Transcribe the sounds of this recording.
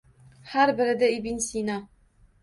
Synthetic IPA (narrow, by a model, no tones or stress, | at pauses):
hæɾbɘ̆ɾɘ̆d̪ɘibinsʲinɑ